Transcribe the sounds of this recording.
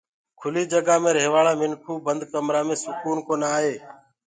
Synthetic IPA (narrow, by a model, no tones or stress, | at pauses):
kʰʊliːd͡ʒəɡaːmẽːɾeːʋaːɭãːmɪnkʰuːbənd̪kəmɾaːmẽːsʊkuːnkoːnaːɦeː